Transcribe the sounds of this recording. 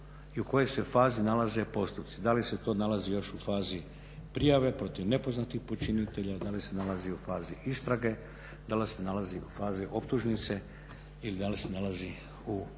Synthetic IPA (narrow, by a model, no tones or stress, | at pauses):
iuko̞jojse̞faːzinalaze̞po̞st̪upt̪sid̪alise̞t̪o̞ːnalazijo̞ʃufaːzi | pɾijaʋe̞pɾo̞t̪iʋne̞po̞znat̪ixpo̞t͡ʃinit̪e̞ʎad̪alise̞nalaziufaːziʔist̪ɾaɡe̞ | d̪alisenalaziufaːziʔo̞pt̪uʒnit̪se̞ | ilid̪alise̞nalazi | u